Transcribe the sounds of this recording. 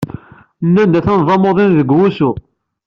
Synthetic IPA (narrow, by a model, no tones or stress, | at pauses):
nːænd̪æθænvˤɑmoðˤinðəɡwusu